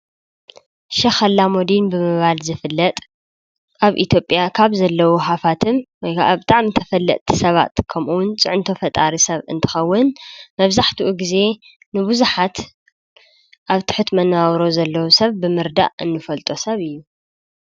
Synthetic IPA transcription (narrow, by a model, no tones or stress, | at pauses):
ʃɐxɐlːamod̪inbɨmɨβalzɨfɨlːɐt̪ʼ | ʔaβʔḭt̪ʰjo̞pʼjakʰaβzɐlːɐwuħafat̪ʰɨnwɔjkʰaʔabɨt̪ʼaʕmɨnt̪ʰɐfɐlːɐ̰ʔ̪ʼt̪ʰi̥sɐβa̰t̪kʰɐmʔuwʊnt͡sʼɨʕʊnt̪ʰo̞fɐt̪ʼaɾisɐβɨ̰nt̪ʰɨ̥xɐwːʊnmɐβzaħt̪ʰuʔuɡize̞ | nɨbuzuħat̪ | ʔaβt̪ʰɨ̥ħɨt̪mɐnːaawɾo̞zɐlːɐwusɐβbɨmɨɾd̪a̰ʔɨ̰nːɨfɐlt̪ʼo̞sɐβɨjːu